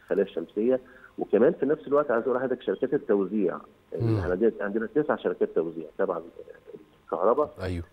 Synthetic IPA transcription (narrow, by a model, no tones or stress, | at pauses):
xælæːʃːæmsejːæwekæmæːnfinæfselwæʔt̪ʕajzʔuːlːhæːd̪ækʃæɾɪkæːt̪et̪ːæwziːʕ | eħnʕnd̪eʕend̪enæt̪esʕaʃɑɾɪkæːt̪ːæwziːʕt̪ˤɑbʕanel | lkɑhɾˤɑbɑʔæjw